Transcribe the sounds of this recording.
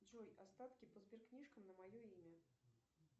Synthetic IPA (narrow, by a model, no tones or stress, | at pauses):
d͡zɔjast̪at̪kʲipəzbʲɛrknʲiʂkɐmnɐmajɔimʲɐ